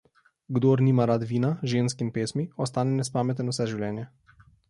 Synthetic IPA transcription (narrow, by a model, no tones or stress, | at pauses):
ɡd̪oːɾniːmaɾad̪ʋiːnaʒeːnskimpeːsmiɔst̪aːnɛnɛspaːmɛt̪ɛnɔwsɛʒiwlʲjɛːnjɛ